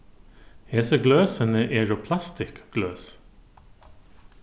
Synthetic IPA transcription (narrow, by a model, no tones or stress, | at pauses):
heːsəɡløːsənəʔeːɾopʰlɑst̪ɪkɡ̥løːs